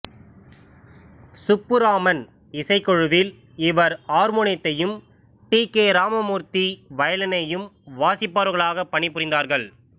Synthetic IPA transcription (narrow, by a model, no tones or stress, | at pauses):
sʊpːɯɾaːmɐn | ɪsɐɪkːɔɻɯʋɪl | ɪʋɐɾaːɾmɔɳɪt̪ːɐjɯm | ʈiːkeːɾaːmɐmuːɾt̪iʋɐjɐlɐnɐjɯmʋaːsɪpːaːɾɣɐɭaːɣɐpːɐɳɪpːʊrɪnd̪aːɾɣɐɭ